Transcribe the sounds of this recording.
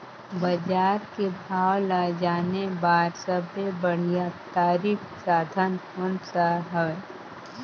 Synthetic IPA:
bəd͡ʒaːɾkebʱaːwlad͡ʒaːnebaːɾsəbʱebəɽ̤ijat̪aːɾiːk | saːd̪ʱənʊnsaɦəʋeː

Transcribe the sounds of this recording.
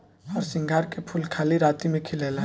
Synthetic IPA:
ɔːɾsɪ̃ŋɡʱaːɾkepʰulkʰaːliɾaːt̪imẽkʰɪleːla

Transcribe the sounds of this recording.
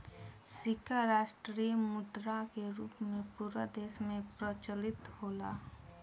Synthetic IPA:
sɪkaɾaːʃʈɾijəmʊd̪ɾakeɾuːpmẽpuːɾad̪eːʃmẽpɾət͡ʃəlɪt̪hoːlaː

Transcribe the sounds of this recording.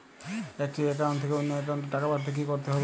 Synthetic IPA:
ɛk̚ʈieʈ̬ant̪ʰekeunːɔeʈ̬ant̪oʈakabaɾd̪ʱek̬ikoɾt̪eɦɔbe

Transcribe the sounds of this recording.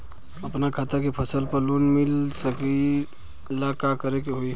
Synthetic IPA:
əpnakʰat̪əkepʰəsəlpəɾlonmilsəki | lakakəɾekeɦoi

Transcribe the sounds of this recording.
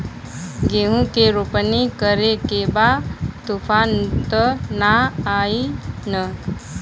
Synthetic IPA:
ɡeɦũkeɾopənikəɾekebat̪ufʰaːnt̪ənaaːinə

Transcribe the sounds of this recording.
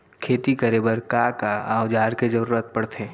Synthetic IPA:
kʰeːt̪ikəɾebəɾkakaaːʊd͡ʒaːɾked͡ʒəɾuːɾət̪̚pɐɽt̪ʰeː

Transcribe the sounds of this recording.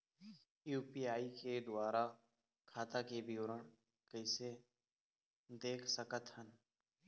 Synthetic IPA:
juːpiːaːiːkeːd̪ʊaːɾaː | kʰaːt̪aːkeːbʱiʊɾəɳ | kəɪseː | d̪eːkʰsəkət̪hən

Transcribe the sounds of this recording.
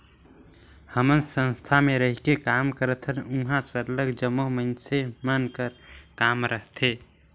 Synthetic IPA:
həmənsə̃nst̪ʰameɾəɦikekamkəɾət̪ʰənuɦãsəɾləɡd͡ʒəmːoɦmənsemənkəɾkamɾʔəɦt̪ʰe

